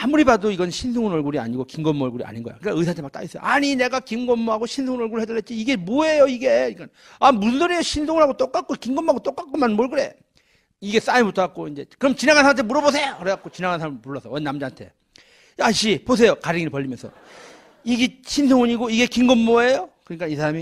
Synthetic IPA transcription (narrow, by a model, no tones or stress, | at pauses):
amuɾibadoiɡʌnɕʰins̬ʰoŋɯnʌɭɡuɾia̰ɲiɡokiŋɡʌmːʌɭɡuɾia̰ɲinɡʌjo̰kɯk͈aɯjs̬ʰantʰemak̚t͈a̰is͈ʌjo̰ʔaɲine̞ɡakimɡʌmːoɦaɡoɕʰinsʰoŋɯnʌɭɡuɾɯɭhedʌɭɦet̚t͡ɕ͈iːɡe̞moe̞joiɡe̞ik͈an | amundɯɾejoɕʰinsʰoŋɯɭɦaɡot͈ok͈ak͈̚okiŋɡʌmːaɡot͈ok͈ak͈omanmoɭɡɯɾe̞ | iɡe̞s͈aimotʰak͈̚oind͡ʑe̞kɯɾʌmt͡ɕinaɡansʰamtʰemuɾʌbosʰe̞ʌɾʌak͈ot͡ɕinaŋansʰaɾampuɭːʌsʰʌʌnːamd͡ʑaantʰe̞̰ | aɕ͈ipos̬ʰe̞jokaɾiŋiipʌʎːimjʌnsʰʌ | iɡiɕʰinsʰoŋɯɲiɡoiɡe̞kiŋɡʌmːoejokɯɲik͈aisʰaɾami